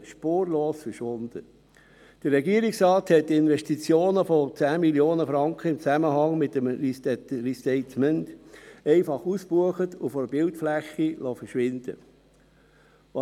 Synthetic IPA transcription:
ʃpoːɾloːsfəɾʃʋond̥̪ə | d̥əɾːɛɡiəɾiksɾɑːthɛt̚ːɪnʋɛʃtit͡sjoːnəfɔt͡sæːmiljoːnəfɾɑŋkχəɪmt͡sæməɦɑŋmɪtːəmistɛɾist̪ɛɪt̪mɛntɛɪfɑχuspuəχətʊfoɾb̥ɪltflæχːilɔfəɾʃʋɪnd̪̥ə̰ | ʋɑ

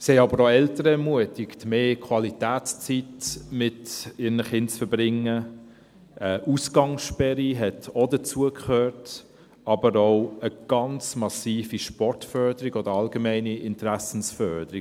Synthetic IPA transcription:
shɛɪɑbəɾoɛltəɾəɛɾmuətɪktmeːkʰwɑlitæːt͡st͡sitmɪtɪɾnəχɪnt͡sfəɾbɾɪŋːə | ʔəʔusɡɑŋsʃpɛɾiɦɛtodət͡suəkχøːɾt | ɑbəɾoʊəɡ̥ɑnt͡smɑsiːfiʃpɔrtfœɾdəɾiɡod̥əɾɑlɡəmæɪniʔɪntɾæsn̩sfœɾd̥əɾi

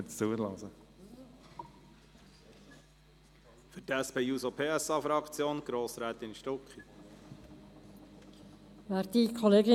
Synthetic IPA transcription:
t͡st͡suːəlɑːzə | fʏɾtæspeːusopʰeːɛsɑːfɾɑkt͡sjoːnɡ̥ɾoːsɾæːt̪ɪnʃtɔkχi | ʋæɾt̪ikʰɔleːɡɪ

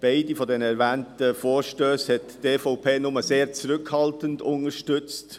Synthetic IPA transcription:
b̥aɪdifɔdɛnəɛɾʋæːntəfɔːɾʃtøːshɛttefɔʊpʰeːnʊməseːɾt͡sɾʏkhɑltəndʊnəʃtʏt͡st

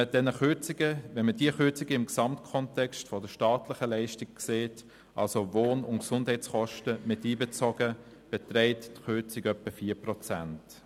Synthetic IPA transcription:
əd̥ɛnəχʏt͡siɡəvɛnmədiəχʏt͡siɡəɪmksɑmtkʰɔntɛkstfɔdəʃtaːtlɪχəlɛɪʃtiɡkseːt | ʔɑ̰lsovoːnʊ̰ntksʊnd̥hɛɪt͡sχɔʃtəmɪtiːbet͡sɔɡə | b̥ɛtrɛɪttχʏt͡siɡœpːəfiːprɔt͡sæ̰nt

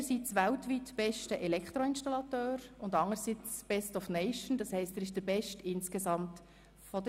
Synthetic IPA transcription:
əsit͡sʋæltʋitb̥ɛʃtəʔɛlɛkχt̪ɾɔɪnʃtɑlɑtøːɾʊndɑŋəɾsit͡sb̥ɛstɔfnɛɪʃn̩dɑshɛɪstɛɾɪʃd̥əɾbɛʃtɪnskesɑmt | fɔd

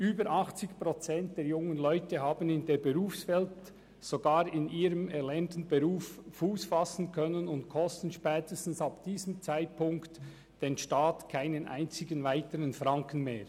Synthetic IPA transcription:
ʔyːbəɾʔɑχt͡sɪçpʁot͡sɛnt̚d̥eːɾjʊŋənlɔʏtəɦaːbn̩ɪndeːɾbeʁuːfsvɛlt | soɡaːɾɪniːɾəmɛɾlɛɐntn̩beʁuːfːuːsfasn̩kʰœnənʊntkʰɔstn̩ʃpɛːtəstn̩sabd̥iːzəmt͡saɪt̚pʰʊŋkt | d̥enʃtaːtkʰaɪnənʔa̰ɪnt͡sɪɡənvaɪtəɾənfʁɑŋkən̩meːɹ

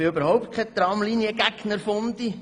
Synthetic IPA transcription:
ɪøbəɾhɔwp̚t̪̚kʰɛt̪ɾɑmlinjəɡæɡnəɾfʊnd̪i

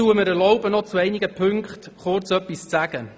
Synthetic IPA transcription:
uəməɾɛɾlɔʊbənɔt͡suɛɪniɡəpʰɵŋkχt | χʊɾt͡sœpːist͡sæɡ̥ə

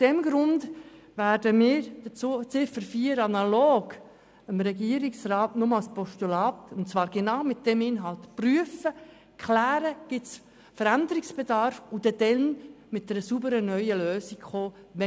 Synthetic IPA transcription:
ʊsd̥ɛmɡɾʊnd | væɾdəmɪːɾd̥ət͡sut͡sɪfəɾfiːəɾɑnɑloːɡ | əmɾɛɡiəɾiksraːtnʊmɑlspɔʃtulɑːtʊntt͡svɑːɾɡ̥enaʊmɪt̚d̥ɛmɪnɦɑltpryəfə | kχlæːɾəɡ̥ɪts | fəɾændəɾɪksb̥edɑɾfʊd̥̪ɛd̥ɛnmɪtdɛɾəsubəɾənœʏəløːsikχoːʋɛ

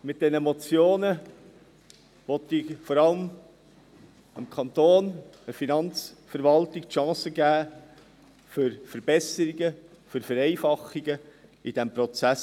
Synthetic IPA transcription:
mɪt̚d̥ɛnəmɔt͡sjoːnə | ʋɔt̪ɪfɔɾɑləm | ɪmkʰɑnt̪oːnəfinɑnt͡sfəɾʋɑltɪk̚tʃɑ̃ːsəɡæː | fʏɾfəɾb̥ɛsəɾiɡə | fʏɾfəɾɛɪfɑχːiɡəid̥ɛmpɾɔt͡sæs

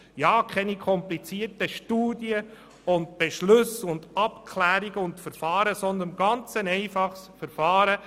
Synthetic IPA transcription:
jɑːkʰɛnikʰɔmplit͡siːəɾtəʃtuːdjə | ʊnd̚b̥eʃlɵsʊndɑpkʰlæːɾiɡəʊntfəɾfɑːɾəsɔnd̪əɾnɡɑnt͡sənɛɪfɑχsfəɾfɑːɾə

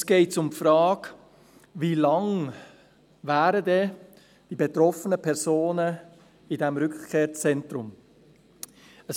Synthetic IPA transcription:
sɡ̥ɛɪtsʊmfɾɑːk | vilɑŋ | væːɾədɛ | d̥ibet̪ɾɔfənəpʰɛɾsoːnə | idɛmɾʏkkʰeːɾt͡sɛntɾʊm | əs

